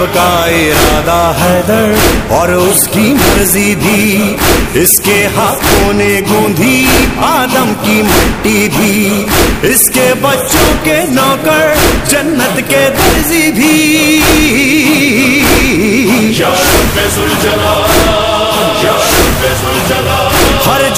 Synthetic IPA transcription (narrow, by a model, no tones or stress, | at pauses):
kaɪɾaːd̪aɦɛːd̪ɐɾɔːɾʊskimɐɾzibʱiː | ɪskeɦaːkʰõːneɡõːd̪ʱiaːd̪əmkimɐʈːibʱi | ɪskebɐtːʃõkenɔːkəɾd͡ʒɐnːət̪ked̪ɐɾzibʱi | ɦɐɾ